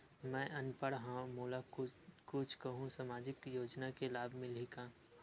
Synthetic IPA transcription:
mɛ̃ːʔɐnpəɽɦãmoːlakʊt͡ʃʰkɐɦũsamaːd͡ʒɪkjoːd͡ʒnakelaːbʱmɪlikaː

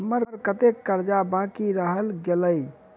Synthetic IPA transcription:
məɾɾkət̪ekːəɾd͡ʒabãkiɾəɦəlɡeləj

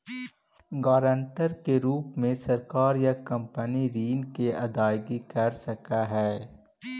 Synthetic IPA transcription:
ɡaːɾə̃ɳʈəɾkeɾuːpmẽsɐɾkaːɾjakɐ̃mpəniɾiːnkeɐd̪aːjɡikɐɾsɐkaɦɛː

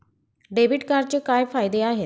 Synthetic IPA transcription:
ɖeːbɪʈkəɾt͡ʃkaːjpʰaːid̪eaːɦe

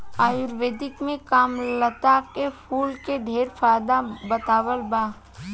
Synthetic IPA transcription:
aːjʊɾʋeːd̪ɪkmẽkaːmlət̪akepʰuːlkeɖʱeːɾfʰaːjd̪abət̪aːwəlbaː

